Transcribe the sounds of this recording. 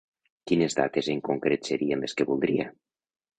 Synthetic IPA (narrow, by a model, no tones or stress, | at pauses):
kinezða̰t̪ezeŋkuŋkɾeseɾiembeskeβulˠd̪ɾia